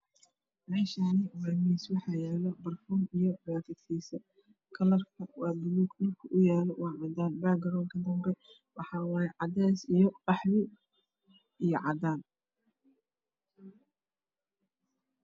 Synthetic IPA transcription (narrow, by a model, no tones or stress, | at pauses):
mɛːʃaːnɪwaːmiːswɑħɑːjɛːlɔbɐrfɔːmijɔwaːt̪ʰɐd̪kʰiːsɐ | kʰɐlɐrkʰɐwɑːb̪ʊluːɡɗʊkʰɐʔʊjaːlɔwɑːʕɑd̪aːnbaːɡɐɾɔːŋkʰɐd̪ɐmbɛ | wɑħɑːwɑːjɛʕɑd̪ɛːsijɔqɑħwɪ | ijɔʕɑd̪aːn